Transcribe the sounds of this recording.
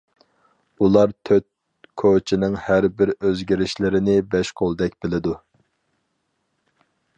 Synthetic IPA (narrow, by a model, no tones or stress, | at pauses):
ulˠɑɾt̪ʰøt̪̚ | kʰot͡ʃʰinɪŋhæɾbɪɾøzɡʲɪɾɪʃlɪɾɪnɪbɛʃqʰolˠd̪ɛk̚ʲbɪlɪd̪u